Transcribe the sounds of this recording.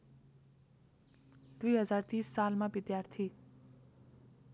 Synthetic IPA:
d̪̥ujɦʌd͡zart̪isːalmabid̪jart̪ʰi

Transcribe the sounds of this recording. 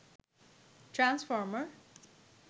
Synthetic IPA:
ʈɾãnsfɔːɹməɹ

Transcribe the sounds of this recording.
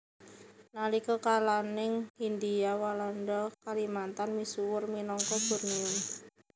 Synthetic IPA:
nalikɔkalanɪŋhind̪iawalanɖɔkalimant̪anmisuwʊrminɔŋkɔb̥ṳrniʊn

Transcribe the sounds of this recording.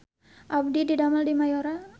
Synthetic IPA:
ʔab̚dididamaldimajoɾa

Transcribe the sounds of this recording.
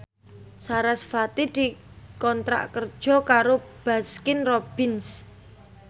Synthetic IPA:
saɾasfat̪id̪̥i̤ | kɔnt̪ɾa̰ʔkərd̥ʒ̥ɔ̤kaɾob̥a̤skɪnrɔb̥ɪns

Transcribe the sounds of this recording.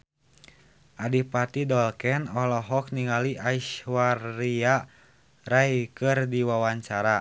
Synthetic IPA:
ʔadipat̪idɔlkɛnɔlɔɦɔk̚niŋaliʔaiʃwaria | rajkɨrdiwawaɲt͡ʃaɾa

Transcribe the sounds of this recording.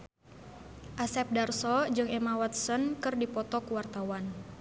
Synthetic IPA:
ʔasɛp̚darsɔd͡ʒɨŋɛmawat̪̚sənkɨrdipɔt̪ɔkuwart̪awan

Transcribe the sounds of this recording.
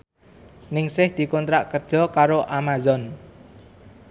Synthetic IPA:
nɪŋsɪhd̪̥i̤kɔnt̪ɾaʔkərd̥ʒ̥ɔ̤kaɾoʔamazɔn

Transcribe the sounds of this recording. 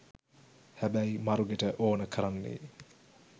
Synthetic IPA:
hæbæjmaɾuɡeʈəʔoːnəkʰəɾanːḛ

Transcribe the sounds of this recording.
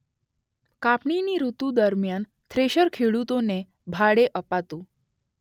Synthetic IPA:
kapɳiniɾut̪ũd̪əɾmjan | t̪ʰɾeɕəɾkʰeɭut̪one | bʱaɽeʔəpat̪ũ

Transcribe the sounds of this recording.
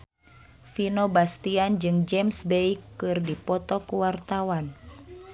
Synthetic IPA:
finobast̪iand͡ʒɨŋd͡ʒɛmsbɛikːɨrdipɔt̪ɔkuwart̪awan

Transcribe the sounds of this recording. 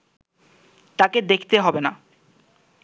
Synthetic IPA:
t̪aked̪ekʰt̪eɦɔbena

